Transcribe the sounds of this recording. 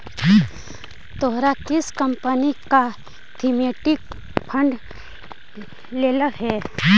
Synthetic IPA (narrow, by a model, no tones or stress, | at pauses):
t̪oɦɾakɪskəmpənika | t̪ʰimeːʈɪk | pʰə̃ɳɖ | leːlaɦɛː